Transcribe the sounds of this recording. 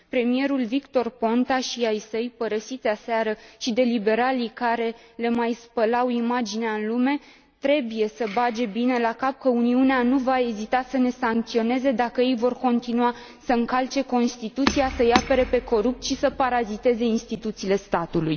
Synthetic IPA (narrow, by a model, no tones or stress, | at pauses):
pɾe̞mije̞ɾulvikt̪o̞rpo̞nt̪aʃiajsəjpəɾəsit̪seaseaɾəʃid̪e̞libe̞ɾalikaɾe̞le̞majspəlawimad͡ʒineaɨnlume̞ | t̪ɾe̞buje̞səbad͡ʒe̞bine̞lakap̚kəuniuneanuvae̞zit̪asəne̞saŋk̚t̪sio̞ne̞ze̞d̪akəje̞jvo̞rko̞nt̪inua | səɨŋkalt͡ʃe̞ko̞nst̪it̪ut̪siasəjape̞ɾe̞pe̞ko̞ɾup̚t̪ʃisəpaɾazit̪e̞ze̞inst̪it̪ut̪siːle̞st̪at̪uluj